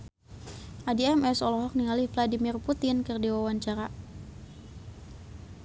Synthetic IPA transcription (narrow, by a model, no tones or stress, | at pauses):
ʔadiɛmɛsɔlɔɦɔk̚niŋalihfladimirput̪ɪnkɨrdiwawaɲt͡ʃaɾa